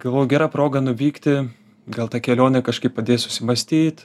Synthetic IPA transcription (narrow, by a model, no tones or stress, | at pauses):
ɡ̥ɐlˠʋoːjʊɡʲæːɾɑːpɾoːɡɐnʊʋʲiːkt̪ʲɪ | ɡɐlˠt̪ɑːkʲɛlʲoːnʲɛkɐʃkɐɪppɐd̪ʲeːsʊsʲɪmɐsʲt̪ʲiːt̪